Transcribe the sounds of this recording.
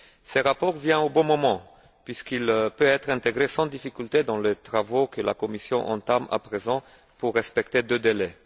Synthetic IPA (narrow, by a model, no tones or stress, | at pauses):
sɛʁapɔʁvjɛ̃obɔ̃mɔmɑ̃ | pɥiskilpøɛt̪χɛ̃t̪eɡʁesɑ̃d̪ifikʲylt̪ed̪ɑ̃let̪χavokəla̰kɔmisjɔ̃ʔɑ̰̃t̪ama̰pχezɑ̃ | puʁːɛspɛkt̪ed̪ød̪elɛ